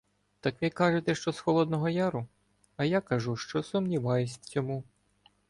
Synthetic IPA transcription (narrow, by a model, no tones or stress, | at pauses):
t̪ɑkʋikɑʒet̪ɛʃt͡ʃɔsxɔlˠɔd̪nɔɦɔjaɾʊ | ɐjakɐʒuʃt͡ʃɔsʊmnʲiʋɑjʊsʲt͡sʲɔmu